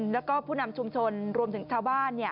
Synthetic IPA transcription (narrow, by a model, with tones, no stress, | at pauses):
nlɛː˦˥wkɔː˥˩pʰuː˥˩na˧mt͡ɕʰu˧mt͡ɕʰo˧nɾu˧əmt̪ʰɯ˩˦ŋt͡ɕʰaː˧wbaː˥˩nːi˥˩ɐ